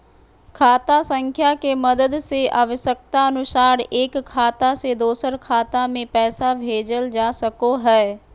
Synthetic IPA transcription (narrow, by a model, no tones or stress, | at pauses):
kʰaːt̪asə̃ŋkʰjakemɐd̪əd̪seʔaːʋəʃək̚t̪aɐnʊsaːɾeːkʰːaːt̪ased̪oːsəɾkʰaːt̪amẽpɛːsabʱeːd͡ʒəld͡ʒaːsəkoɦɛː